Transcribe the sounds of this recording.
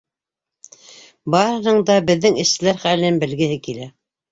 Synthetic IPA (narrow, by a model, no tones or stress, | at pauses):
bɑɾɤ̆nɤɴd̪ɑbɘ̆ðːɘŋɘ̆ʃsɘ̆læɾχælɘ̆nɘnbɘ̆lɡɘ̆ɦɘkilæ